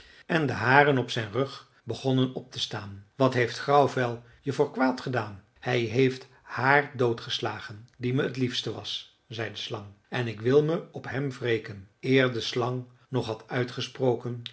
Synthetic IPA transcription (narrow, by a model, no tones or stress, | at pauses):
ʔɛndəɦaːrənɔpsɛjnrɵχ | bəχɔnənɔp̚təstaːnʋɑtɦejftχrɑwvɛlˠ | jəvʊːɹkʋaːtχədaːn | hɛjɦejft | haːrdowtχəslaːχəndiməətlifstəʋɑ̰s | zɛjdəslɑŋ | ɛnɪkʋɪlˠməɔpɦɛmvrejkənɪːɹdəslɑŋ | nɔχɦɑtœɥtχəsprowkən